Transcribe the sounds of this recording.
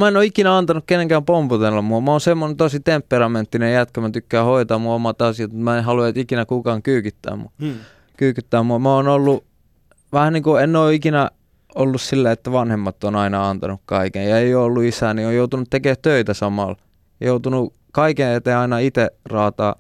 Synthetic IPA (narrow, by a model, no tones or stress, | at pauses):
mæenoikinæɑnt̪ɑnukkeneŋkæmpomput̪elːɑmmuɑmæoːnsemːonent̪osit̪empːerɑment̪ːinejæt̪kømæt̪ykːæːhoit̪ɑːmmuomɑt̪ɑsiɑt̪mut̪mæenhɑluet̪ikinækukɑːŋkyːkyt̪ːæ̰ːmmu | kyːkyt̪ːæːmuɑmæoːnolːu | ʋæhænniːkuenːoːikinæ | olːussilːæet̪ːæʋɑnhemːɑt̪ːonɑinɑɑnt̪ɑ̰nukkɑikẽjjɑeijoolːuisænioːjout̪unut̪t̪ekeːtt̪øit̪æsɑmɑ̰l | jout̪unu | kɑikẽet̪ːeɑinɑit̪erɑːt̪ɑ̰ː